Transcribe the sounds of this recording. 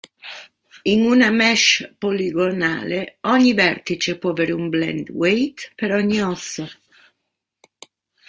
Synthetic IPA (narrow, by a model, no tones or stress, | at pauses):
inunamɛʃpoliɡona̰ːleɔɲːivɛrt̪it͡ʃepwɔaveːɾeumblɛ̰nd̪wejt̪peɾɔɲːiɔsːo